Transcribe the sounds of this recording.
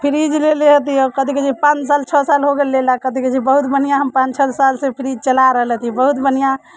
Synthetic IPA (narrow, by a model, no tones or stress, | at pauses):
pʰiɾid͡ʒleleɦət̪iɔkəd̪iked͡ʒipãt͡ʃsalt͡ʃʰəsalɦoɡelːelakəd̪iked͡ʒibəɦut̪bənijaɦəmpãt͡ʃt͡ʃʰəlsalsẽpʰiɾid͡ʒt͡ʃəlaɾəɦələt̪ibəɦut̪bənija